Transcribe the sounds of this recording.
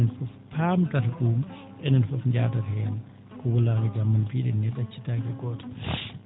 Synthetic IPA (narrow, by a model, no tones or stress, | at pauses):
ɛnfɔfpʰamtaɾɗuːm | ɛnɛnfɔfɲd͡ʒa̰ːtaɾɛjan | kɔwɔlakɛɡamːanpiɗɛnːɛɗat͡ʃi̥takɛɡɔtḁ